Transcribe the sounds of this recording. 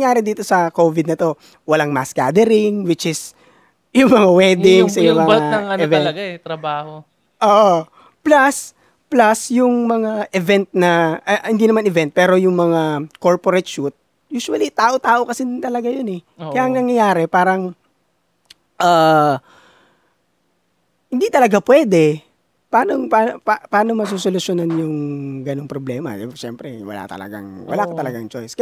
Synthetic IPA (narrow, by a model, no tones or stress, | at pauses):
jaːɾɛd̪iːt̪o̞sɐko̞ːvɪd̪̚nɐt̪o̞ | wɐlaŋmaska̰d̪ɛɾɪŋwɪt͡ʃɪs | jʊŋmɐŋawɛːd̪ɪŋsɐjʊmɐŋaɐŋɐnɛvɛɐɡaɛt̪ɾɐbaːho | ʔoːʔo | plɐs | plɐsjʊŋmɐŋaʔɛvɛnt̪̚nɐɐhɪnd̪inɐmanɪvɛnt̪̚pɛːɾo̞jʊŋmɐŋako̞ɹpoɾɛt̪ʃut̪̚ | juːsʊwɐlit̪aːʔot̪aːʔo̞kɐsɪt̪ɐlɐɡajonɛ | kɐjaʔɐŋnɐŋjɐjaːɾɛpaːɾɐŋ | ʔaː | hɪnd̪it̪ɐlɐɡapwɛːd̪ɛ | paːnoŋpaːnpapaːnomɐs̬usolʊsonanjʊŋɡɐnoŋpɾoblɛːmɐ̰ʃɛmpɾɛ̰wɐ̰la̰t̪ɐ̰lɐ̰ɡa̰ŋwɐ̰laːkɐt̪ɐlɐɡaŋt͡ʃojs